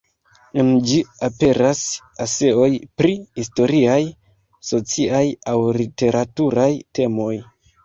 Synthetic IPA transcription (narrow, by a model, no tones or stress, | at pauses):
end͡ʒiape̞ɾas | ase̞o̞jpɾihisto̞ɾiaj | so̞t͡siajawlite̞ɾatuɾajte̞mo̞j